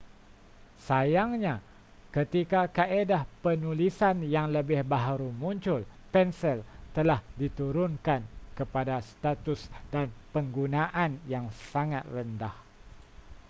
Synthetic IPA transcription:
sajaŋɲa | kət̪ikakaʔedahpənulisanjaŋləbɪhbaɦaɾumuɲt͡ʃʊlpɛnsɛlt̪əlahdit̪uɾʊnkankəpadast̪at̪ʊsdanpəŋɡunaʔanjaŋsaŋat̪̚rəndah

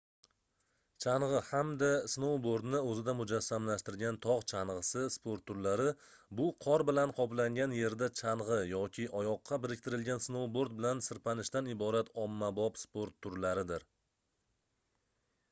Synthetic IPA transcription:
t͡ʃʰaɴʁɨhamd̪asnowboɾd̪nɪɵzɪd̪amʊd͡ʒasːamlaʃt̪ɪɾɡʲant̪ʰɒʁt͡ʃʰanʁɨsɪspoɾt̪ʰːʊɾlaɾɪbʊqʰɒɾbɪlanqʰɒplaŋɡʲanje̞ɾd̪at͡ʃʰanʁɨjɒkʲʰɪʔɒjɒqʰːɑbɪɾɪkʲt̪ʰɪɾɪlɡʲansnowboɾd̪̚bɪlansɪɾpanɪʃt̪anɪbɒɾat̪ʰɒmːabɒpspoɾt̪ʰːʊɾlaɾɪd̪ɪɾ

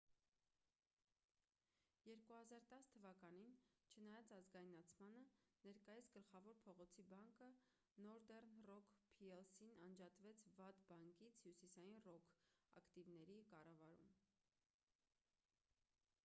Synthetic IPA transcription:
jɛɾkuhɑzɑɾt̪ɑst̪ʰːəvɑkɑn̪int͡ʃʰənɑjɑt͡sɑzɡɑjnɑt͡sʰmɑnənɛɾkɑjit͡sʰɡəlχɑvɔɾpʰɔʁɔt͡sʰibɑŋkə | nɔɾd̪ɛrnrɔkʰpʰiɛlsinɑnd͡ʒɑt̪vɛt͡sʰvɑt̪bɑŋkit͡sʰhjusisɑjinrɔkʰɑ̰kt̪ivnɛɾikɑrɑvɑɾṵm

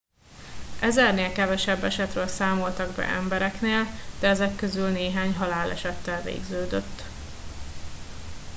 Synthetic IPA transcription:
ʔɛzɛrneːlkɛvɛʃɛbːɛʃɛt̪røːlsaːmo̞lt̪ɒɡbɛ̰ʔɛ̰mbɛɾɛkneːld̪̥ɛɛzɛkːø̞zylneːɦaːɲɦɒlaːlʔɛ̰ʃɛt̪ːɛlvḛːɡzøːd̪øt̪ː

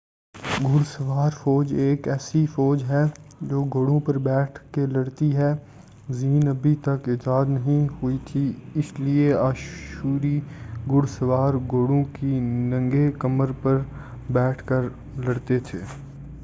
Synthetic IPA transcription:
ɡʊɽsəʋaːɾfɔːd͡ʒeːkɛːsifɔːd͡ʒɦɛd͡ʒoːɡoːɽõpɐɾbɛːʈʰkelɐɽt̪iɦɛ | ziːnɐbʱit̪ɐkɪd͡ʒaːd̪nɐɦĩɦʊit̪ʰiɪslieaːʃuːɾiɡʊɽsəʋaːɾɡoːɽõkinɐ̃ŋɡekɐməɾpɐɾ | bɛːʈʰkəɾ | lɐɽt̪et̪ʰḛː

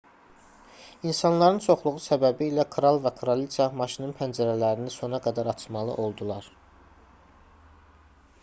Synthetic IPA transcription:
insɑnlˠɑɾɯnt͡ʃʰo̞χlˠuʁusæbæbiːlækʰɾɑlˠvækʰɾolisɑmɑʃinɯnpʰænd͡ʒæɾælæɾiniso̞nɑɡæd̪æɾɑt͡ʃʰmɑlˠɯ̰ʔo̞lˠd̪ulˠɑɾ

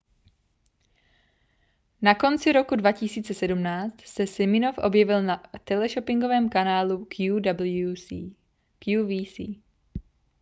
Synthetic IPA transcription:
nako̞nt͡sɪɾo̞kudvacɪsiːt͡sɛsɛdumnaːt͡st̪sɛsɪmɪnofʔo̞̰bjɛvɪlnat̪ɛlɛʃopɪŋɡo̞vɛːmkanaːlukjudablu | kjuviːsiː

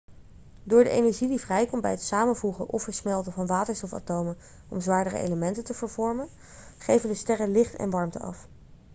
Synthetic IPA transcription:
dʊːɹdəʔḛjnɛɹʒidivrɛjkɔnbɛ̰jɦətsaːmənvuχəʔɔfəɹsmɛlˠtəvɑnʋaːtəɹstɔfa̰towmən | ʔɔ̰mzʋaːɹdərə̰ʔḛjləmɛntəntəvəɹvɔɹmən | χejvəndəstɛrəlɪχtɛ̰nʋɑɹmtəɑ̰f

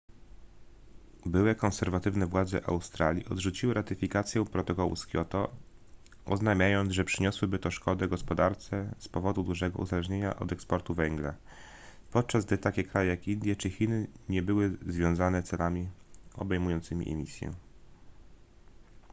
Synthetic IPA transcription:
bɘwɛkɔ̃nsɛɾvat̪ɘvnɛvwad̪zɛ̰ʔa̰wst̪ɾalʲjiɔd̪ʐut͡ɕiwɘɾat̪ɘfʲikat̪sjɛpɾɔt̪ɔkɔwṵskʲjɔt̪ɔ | ɔznajmʲjajɔnd̪zʐɛpʂɘɲɔswɘbɘt̪ɔʂkɔd̪ɛɡɔspɔd̪aɾt̪sɛspɔvɔd̪ud̪uʐɛɡɔ̰ʔṵzalɛʐɲeɲa̰ʔɔ̰d̪ɛkspɔɾt̪uvɛŋɡla̰ | pɔt̪̚t͡ʂazɡd̪ɘt̪akʲɛkɾajɛjakind̪ʲjɛt͡ʂɘxʲinɘɲɛbɘwɘzvʲjɔ̃w̃zanɛt̪sɛlamʲiɔ̰bɛjmujɔ̃nt̪sɘmʲḭʔɛ̰mʲisʲjɛ̰

